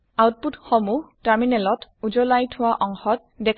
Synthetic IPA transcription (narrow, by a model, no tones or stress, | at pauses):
awt̚putxɔmuhtaɹminɛlɔtud͡ʒɔlajtʰʊwaʔɔŋxɔt̚ | dɛkʰ